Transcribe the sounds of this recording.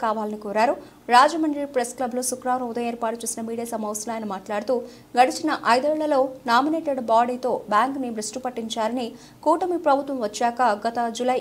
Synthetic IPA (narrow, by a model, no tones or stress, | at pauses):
kaːʋaːlɐnikuːɾaːɾu | ɾaːd͡ʒɐmɐɳɖiɾpɾesklɐbloːsukɾaːɾud̪ɐjeːɾpaːʈut͡ʃuːsinɐmiːɽijaːsɐmɐʋsɐlaːjɐnɐmaːʈlaːɽut̪uː | ɡɐɽit͡ʃinɐʔɐjd̪ɛːɭːɐlo̞ːnaːmineːʈɐɖbaːɽiːt̪o̞ːbjaːŋknimɾɐsʈupɐʈːiɲt͡ʃaːɾɐni | kuːʈɐmipɾɐbʱut̪ʋɐmʋɐt͡ʃːaːkɐɡɐt̪ɐd͡ʒulɐj